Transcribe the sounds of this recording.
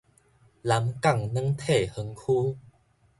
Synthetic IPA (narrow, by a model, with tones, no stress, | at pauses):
la˨˦mka˥˨ŋnə˦˥ŋt̪ʰe˥˩hə˨˧˦ŋkʰuː˦